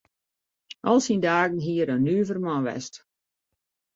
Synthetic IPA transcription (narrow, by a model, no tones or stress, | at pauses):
ʔɔlˠsindaːɡən̩ɦiərɔnːyːvərmɔʋɛ̰st